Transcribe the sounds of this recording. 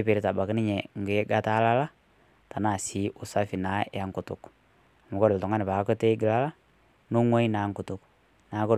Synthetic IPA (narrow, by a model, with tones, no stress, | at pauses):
pe˨ɾi˦ta˨ba˨ki˦nɪ˦ɲɛ˨ŋ˨ɡe˦ɡa˦ta˦la˦la˦ | ta˨na˨si˦ʔʊ˨sa˦fi˨na˨˦a˨ŋku˨tʊ̰˨k | mu˨kɔ˦ɾɪ˨ltɔ˨ŋa˦nɪ˨pa˨kɔ˦te˦ɡɪ˨la˦la˦ | nu˦ŋwɔ˦i˦na˨˦ŋkʊ˨tʊ˨k | naː˨˦kɔ˦